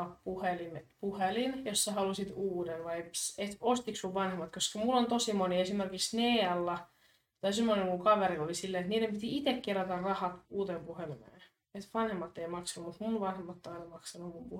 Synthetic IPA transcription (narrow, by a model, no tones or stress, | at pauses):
ɑppuhelimepuhelinjosːɑhɑlusit̪uːdenʋɑjet̪ost̪iksuʋʋɑnhemːɑt̪koskɑmulːont̪osimoniesimerkiksneːɑlːɑ | t̪oisemːoneŋkuŋkɑʋeɾilolisilːeet̪niːdempit̪iit̪ekkerɑt̪ɑrrɑhɑt̪uːt̪empuhelimḛː | et̪ʋɑnhemːɑt̪ːeimɑksɑnumut̪munʋɑnhemːɑt̪ːoɑinɑmɑksɑnummumpu